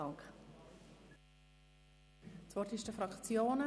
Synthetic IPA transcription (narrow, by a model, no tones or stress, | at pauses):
ɑŋk | sv̥ɔrtɪʃd̥əfɾɑkt͡sjoːnə